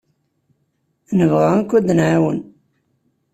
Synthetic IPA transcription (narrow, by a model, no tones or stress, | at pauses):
nəvʁankʷːæd̪ənʕawən